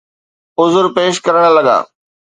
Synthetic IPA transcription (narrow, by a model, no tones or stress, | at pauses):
ʊzʊɾpeːʃkɐɾəɽ̃lɐɡa̰ː